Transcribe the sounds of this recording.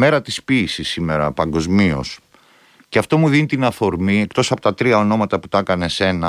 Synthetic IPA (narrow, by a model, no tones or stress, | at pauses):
me̞ɾɐt̪ispiːsisːime̞ɾɐpɐŋɡo̞zmio̞̰s | ceɐft̪o̞muðinit̪inɐfo̞ɾmie̞kt̪o̞sɐpo̞t̪ɐt̪ɾiɐo̞no̞mɐt̪ɐput̪ɐkɐne̞se̞nɐ